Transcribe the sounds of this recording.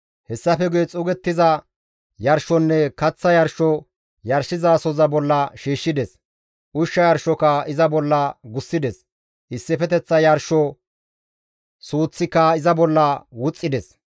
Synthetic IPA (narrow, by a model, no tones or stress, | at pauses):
hɛsːɐfɛɡʊjɛt͡sʼʊɡɛt̪ːɪzɐ | jɐɾʃɔnːɛkɐt͡sːɐjɐɾʃɔ | jɐɾʃɪzaːsɔzɐbɔlːɐʃiːʃːɪd̪ɛs | ʔʊʃːɐjɐɾʃɔkɐɪzɐbɔlːɐɡʊsːɪd̪ɛs | ʔɪsːɪfɛt̪ɛt͡sːɐjɐɾʃɔ | suːt͡sːɪkːɐɪzɐbɔlːɐwʊt͡sʼːɪd̪ɛs